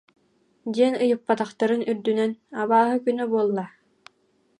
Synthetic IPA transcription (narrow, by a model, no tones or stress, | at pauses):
d̪iɛnɯjɯpːat̪aχt̪aɾɯnyɾd̪ynɛnaβaːɦɯkynœbuɔlˠːa